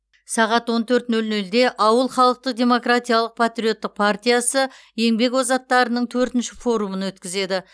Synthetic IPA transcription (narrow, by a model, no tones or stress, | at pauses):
sɑʁɑt̪wo̞nt̪ʰɵɾt̪nɵlnɵld̪e̞ʔɑwəlˠχɑlˠəq̚t̪əq̚d̪ʲe̞mo̞krat̪ʲijalˠəq̚pʰat̪ɾʲijo̞t̪ːɪq̚pʰart̪ʲijasə | je̞ŋbe̞kwozɑt̪ːɑɾənəɴt̪ʰɵɾt̪ɪnʃɪfo̞ɾumənwɵt̪kʲɪze̞d̪ɪ